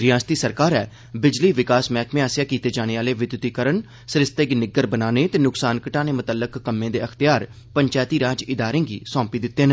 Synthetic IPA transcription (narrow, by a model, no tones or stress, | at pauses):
ɾɪjaːst̪iːsəɾkaːɾɛː | bɪd͡ʒliːʋɪkaːsmɛːkʰmeaːsjaːkiːt̪eːd͡ʒaːɽ̃eːaːleːʋɪd̪wt̪iːkəɾəɳ | sɾɪst̪eɡinɪɡəɾbənaːneːt̪eːnʊksaːnkəʈãːneːmʊt̪əlːəkːəmːẽːd̪eːəkt̪ɪjaːɾ | pəɲt͡ʃaːjt̪iːɾaːd͡ʒɪd̪aːɾẽːɡḭːsɔ̃ːpiːd̪ɪt̪ːeːn